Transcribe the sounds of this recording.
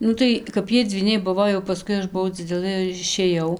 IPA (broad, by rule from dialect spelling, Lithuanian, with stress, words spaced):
ˈnʊ tɐɪ kɐp ˈjiɛ d͡zʲʋʲiːˈnʲɛɪ ˈbʊʋoː jɛʊ pɐˈskʊɪ ˈɐʃ bʊˈʋɐʊ d͡zʲɪˈdʲæːlˠɘ ɪr ɪʃʲeːˈjɛʊ